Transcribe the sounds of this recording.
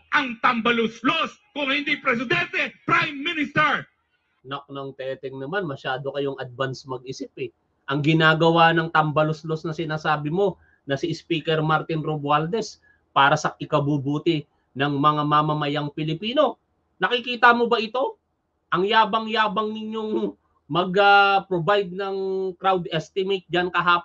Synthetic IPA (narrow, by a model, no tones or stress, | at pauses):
ʔɐŋt̪ɐmbɐlosloskʊŋhɪnd̪ipɾɛs̬ɪd̪ɛnt̪ɛpɾajmːinɪst̪ɛɹ | nɐk̚nɐŋt̪ɛːt̪ɛŋnɐmanmɐʃaːd̪o̞kɐjo̞ŋɐd̪̚vansmɐɡ̚ɪsɪpɛ | ʔɐŋɡɪnaːɡɐwanɐŋt̪ɐmbɐloslosnɐsɪnaːsaːbɪmo̞ | nɐsɪspiːkɛɾmaɾt̪ɪnɾobwald̪ɛs | paːɾɐsɐʔɪkɐbubuːt̪ɪ | nɐŋmɐŋamɐmɐmɐjaŋpɪlɪpiːno̞ | nɐkɪkiːt̪ɐmo̞bɐʔɪt̪o̞ | ʔɐŋjaːbɐŋjaːbɐŋnɪɲjo̞ŋ | mɐɡɐpɾobajd̪̚nɐŋkɾawd̪ʔɛst̪ɪmet̪̚d͡ʒɐnkɐɦaː